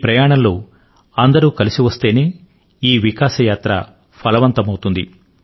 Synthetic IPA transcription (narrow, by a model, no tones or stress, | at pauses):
pɾɐjaːɳɐmloː | ɐnd̪ɐɾuːkɐlisiʋɐst̪e̞ːne̞ː | iːʋikaːsɐjaːt̪ɾɐ̰ | pʰɐlɐʋɐnt̪ɐmɐwt̪und̪ḭ